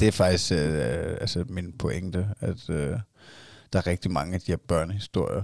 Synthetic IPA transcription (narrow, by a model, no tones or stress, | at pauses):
d̥e̝æɐfɑ̈ɡ̥d̥isɡ̥ælsəminpʰo̽ʔeŋd̥əæd̥ø | d̥ɑ̈æɐʁɛɡ̥̚d̥imɑ̈ŋəæd̥ihæɐb̥ɶɐnəhisd̥o̝ɐ̰jɐ